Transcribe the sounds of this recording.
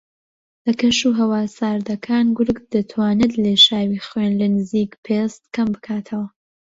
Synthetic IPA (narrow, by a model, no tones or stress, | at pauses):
lɐkɐʃuɦɐwaːsaːɾd̪ɐkʰaːnɡʊɾɡd̪̥ɨt̪ʰwaːnɨd̪leːʃaːwiːχwenlɐnɨziːkpʰest̪kɐmbɨkʰaːt̪ʰɐwɐ